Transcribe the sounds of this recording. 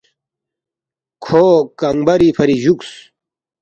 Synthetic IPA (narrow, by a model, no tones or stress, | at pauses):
kʰokɐŋbɐɾipʰɐɾiʑuks